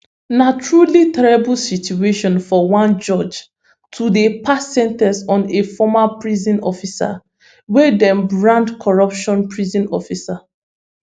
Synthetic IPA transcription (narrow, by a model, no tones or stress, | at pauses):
nat͡ʃɹalitɛɹibulsitueʃɔ̃nfɔwãnd͡ʒɔd͡ʒ | tʰudepʰasːɛ̃ntɛsɔ̃nefɔmapɹizɔ̃nɔfisa̰ | wɛdɛ̃mbɹãndkʰɔɹɔpʃɔ̃npɹizɔ̃nɔfisa